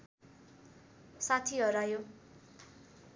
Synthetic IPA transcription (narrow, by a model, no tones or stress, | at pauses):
sat̪ʰiɦʌɾajo